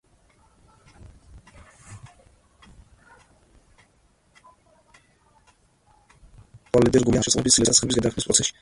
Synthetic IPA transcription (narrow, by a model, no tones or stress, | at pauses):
ɔlɛd̪ɛɾɡuljaʃɛsʼɛ̰bisilɛsasʼɛbisɡad̪akʰmispʼɾɔ̰sʰɛʃi̥